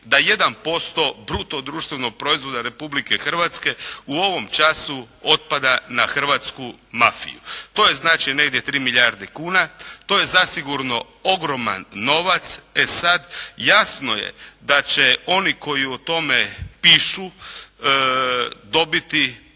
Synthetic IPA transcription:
d̪aje̞d̪anpo̞st̪o̞bɾut̪oɡ̚d̪ɾuːʃt̪ʋeno̞ɡ̚pɾo̞izʋo̞d̪aɾe̞publike̞xr̩ʋat̪ske̞uo̞ʋo̞mt͡ʃasu | o̞t̪̚pad̪anaxr̩ʋat̪skumafḭjṵt̪o̞ːjeznaːt͡ʃine̞ɡd̪jet̪ɾiːmiʎʲjaɾd̪ekuːnat̪o̞je̞zasiɡuɾno̞ | oɡɾo̞ma̰nːo̞ʋat̪sesad̪jasno̞jḛd̪at͡ɕeo̞niko̞jiot̪o̞mepiːʃu | d̪o̞bit̪i

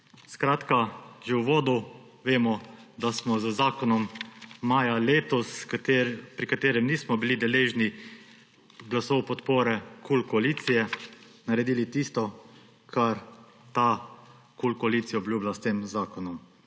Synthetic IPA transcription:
skɾaːt̪kaʒɛwʋoːd̪u | ʋeːmɔd̪asmɔzəzaːkɔnɔmːaːjaleːt̪ɔs | pɾikat̪eːɾɛmnismɔbilid̪ɛleːʒni | ɡlasɔwpɔt̪poːɾɛkulkɔaliːt̪sijɛnaɾɛd̪iːlit̪ist̪ɔ | kʰaɾ | t̪a | kulkɔaliːt̪sijaɔblʲjuːblast̪eːmzaːkɔnɔm

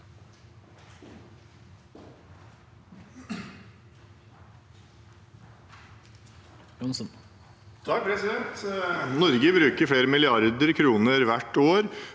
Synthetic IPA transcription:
ɔnsn | t̪ʰɑk̚pʰɾɛsɪd̪ɛnt̪nɔɾɡəbɾʉːkəɾfɽeːɾəmɪlɪɑɾd̪əɾkʰɾuːnəɾʋæʈːoːɾ

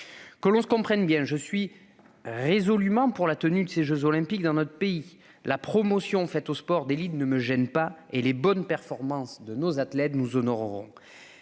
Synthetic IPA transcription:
kəlɔ̃sə̥kɔ̃pχɛnbjɛ̃ʒəsɥi | ʁezɔlymɑ̃puʁlat̪ənyd̪əseʒøzɔlɛ̃pik̚d̪ɑ̃nɔt̪χə̥pei | lapχɔmɔsjɔ̃fɛt̪ospɔʁd̪elid̪nəməʒɛnpaelebɔnpɛʁfɔʁmɑ̃sd̪ənozat̪lɛt̪nuzɔnɔʁʁɔ̰̃

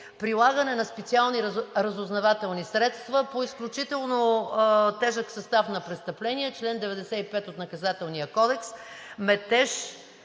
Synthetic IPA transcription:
pɾilˠaɡənɛnɐspɛt̪sialˠniɾɐzʊznɐvat̪ɛlˠnisɾɛt̪st̪vəpoisklʲut͡ʃit̪ɛlˠno | t̪ɛʒəksɐst̪afnɐpɾɛt̪st̪ɐplɛniɛt͡ʃlɛnd̪ɛvɛd̪ɛsɛipɛt̪ot̪nɐkɐzat̪ɛlˠniəkɔd̪ɛksmɛt̪ɛʃ

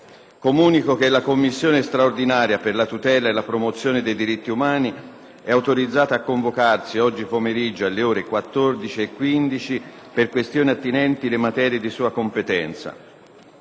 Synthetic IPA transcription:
komuːnikok̟elːakomːisːjoːnest̪ɾaord̪inaːɾjaperlat̪ut̪ɛːlaelːapɾomot̪sːjoːned̪ejd̪iɾit̪ːiumaːni | ɛawt̪oɾid̪zːaːt̪aːkːoɱvokarsiɔd͡ʒːipomeɾid͡ʒːoalːeɔːɾekwat̪ːord̪it͡ʃiekːwind̪it͡ʃi | perkwest̪joːniat̪ːinɛnt̪ilemat̪ɛːɾjed̪isuːakompet̪ɛnt̪sa̰

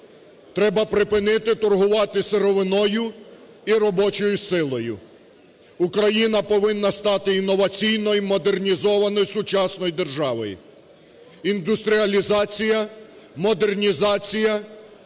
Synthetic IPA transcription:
t̪ɾɛbɐpɾɪpɪnɪt̪ɪt̪ɔrɦʊʋɑt̪ɪseɾɔʋɪnɔjʊ | iɾɔbɔt͡ʃɔjʊsɪlˠɔjʊ̰ | ukɾɐjinɐpɔʋɪnːɐst̪ɑt̪ɪinːɔʋɐt͡sʲijnɔjmɔd̪ernʲizɔʋɐnɔjsʊt͡ʃɑsnɔjd̪erʒɑʋɔ̰j | ind̪ʊst̪ɾʲiɐlʲizɑt͡sʲijɐmɔd̪e̞rnʲizɑt͡sʲijɐ

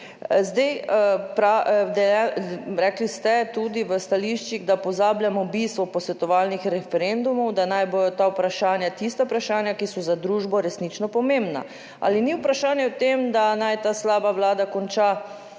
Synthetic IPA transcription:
zd̪ɛjpɾad̪ɛlaɾɛklist̪ɛt̪ud̪iʋəst̪aliʃt͡ʃiɣd̪apɔzaːbljamɔbist̪ʋɔpɔsʋɛt̪ɔʋalnixɾɛfɛɾend̪umɔwd̪anajbojɔt̪awpɾaʃaːnjat̪ist̪apɾaʃaːnjakisɔzad̪ɾuʒbɔɾɛsnit͡ʃnɔpɔmembna̰ | a̰liniwpɾaʃaːnjɛwt̪emd̪anajt̪aːslaːbaʋlaːd̪akɔnt͡ʃa

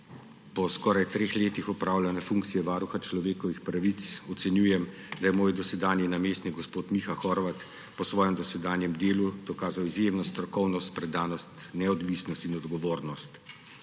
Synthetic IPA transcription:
pɔskɔːɾajt̪ɾeːxleːt̪ixɔpɾaːwlʲanɛfuŋkt̪sijɛʋaːɾuxat͡ʃlɔʋeːkɔʋixpɾaʋit̪sɔt̪sɛnjuːjɛm | d̪ajɛmoːjd̪ɔsɛd̪aːnjɛnameːst̪niɡɔspoːt̪mixaxɔɾʋat̪ | pɔsʋɔːjɛmd̪ɔsɛd̪aːnjɛmd̪eːlud̪̥ɔkaːzawizjeːmnɔst̪ɾɔkɔwnɔst̪̚pɾɛd̪aːnɔst̪nɛɔd̪ʋisnɔst̪inɔd̪ɡɔʋoːɾnɔst̪

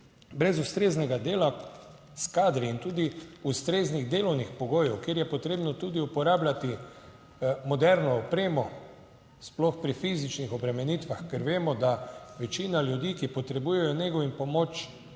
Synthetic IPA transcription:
bɾɛzust̪ɾeznɛɡad̪eːla | skaːd̪ɾiːnt̪uːd̪iust̪ɾeːzniɣd̪eːlɔwnixpɔɡoːjɛwkeːɾjɛpɔt̪ɾeːbnɔt̪uːd̪iupɔɾaːblat̪i | mɔd̪ɛɾnɔːpɾeːmɔ | splɔxpɾifiːzit͡ʃnixɔbɾɛmɛniːt̪ʋaxkɛɾʋeːmɔd̪aʋɛt͡ʃiːnaljud̪iːkipɔt̪ɾɛbuːjɛjɔneɡɔʋimpɔmoːt͡ʃ

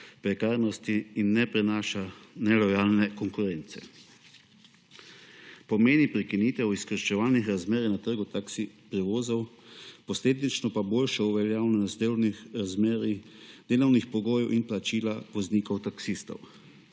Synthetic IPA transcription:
pɾɛkaːɾnɔst̪iːnːɛpɾɛnaːʃanɛlɔjaːlnɛkɔŋkuɾɛnt̪sɛ̰ | pɔmeːnipɾɛkiniːt̪ɛwiskəɾʃɛʋaːlnixɾazmeːɾinat̪əɾɡʊt̪aksi | pɾɛʋoːzɔwpɔsleːd̪nit͡ʃnɔpaboːlʃɛuʋɛljaːwnɔnɔzd̪ewnixɾazmeːɾid̪̥eːlɔwnixpɔɡoːjɛwʔinplat͡ʃiːlaʋɔzniːkɔwt̪aksist̪ɔ̰w

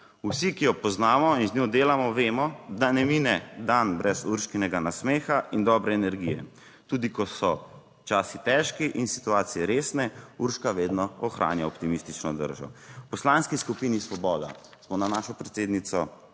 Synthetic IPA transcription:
usikijɔpɔznaːmɔinzɲoːd̪eːlamɔʋeːmɔd̪anɛminɛd̪anbɾɛzuɾʃkinɛɡanasmeːxaʔind̪ɔbɾɛːnɛɾɡḭjɛ̰ | t̪uːd̪ikɔsɔ | t͡ʃaːsit̪ɛʃkiʔinsi̥t̪uaːt̪sijɛɾeːsnɛuɾʃkaʋeːd̪nɔɔxɾʔa̰ːnjaɔpt̪imist̪it͡ʃnɔd̪ə̰ɾʒɔ̰pɔslaːnskiskupinisʋɔbɔːd̪a̰ | smɔnanaːʃɔpɾɛt̪seːd̪nit̪sɔ

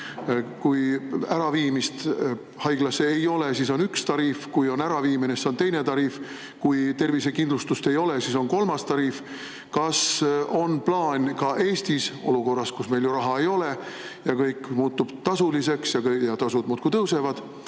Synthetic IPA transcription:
kujæɾɑviːmist̪ | hɑjɡ̥lɑseejo̞lesiso̞nykst̪ɑɾiːfkujo̞næɾɑviːmineso̞nt̪e̞jnet̪ɑɾiːf | kujt̪e̞rvise̞kind̪lust̪ust̪e̞jo̞le̞siso̞nko̞lmɑst̪ɑɾiːf | kɑso̞nplɑːnʲkɑʔe̞ːst̪iso̞̰luko̞rːɑskusme̞jljuɾɑɦɑe̞jo̞le̞ | jɑkɤjkmuːt̪ːub̥t̪ɑsulise̞ksjɑkjɑt̪ɑsud̪muːt̪̚kut̪ɤwse̞vɑd̪̥

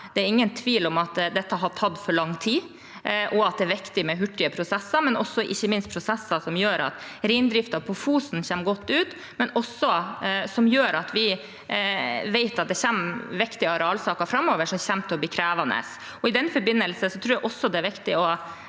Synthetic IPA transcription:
d̪̥ɛæɾɪŋːənt̪ʰʋiːlɔmɑt̪d̪ɛt̪ːəɑɦɑɾt̪ʰɑd̪fɔɭɑŋːt̪ʰiː | ʔɔɑt̪̚d̪ɛæɾʋɪkt̪ɪmɛɦʉʈːɪəpʰɾʊsɛsːɑmɛnɔsːɔʔɪçːəmɪnst̪pʰɾʊsɛsːɑsɔmjøːɾɑ̰t̪ | ɾɪɪnd̪ɾɪft̪ɑʋpʰɔfuːsn̩çɛmɡɔt̪ːʉːt̪ | mɛnɔsːɔsɔmjøːɾɑt̪ʋɪ | ʋɛɪt̪ɑt̪̚d̪ɛçɛmʋɪkt̪ɪɑɾɑːlsɑːkɑfɾɑmːoːʋəʂɔmçɛmt̪ʰɔblɪkʰɾæːʋɑnə̰s | ɔɪd̪ɛnːfɔɾbɪnːəlsəsɔt̪ʰɾuːɾjæʔɔsːɔd̪ɛæɾʋɪkt̪ɪɔ

